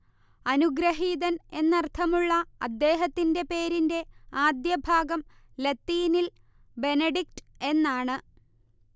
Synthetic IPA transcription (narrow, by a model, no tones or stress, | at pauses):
ɐnuɡɾɐɦiːðɐne̞nːɐrt̪ʰɐmuɭːɐɐ̰d̪ːe̞ːɦɐt̪ːinde̞pe̞ːɾinde̞aːd̪jɐbʱaːɡɐm | lɐt̪ːiːnil | be̞nɐɖik̚tɨe̞nːaːɳɨ